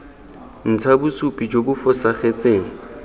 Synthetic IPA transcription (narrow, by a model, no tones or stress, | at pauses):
n̩t͡sʰabʊsupʼid͡ʒobʊfɔsaχet͡sʼeːŋ̩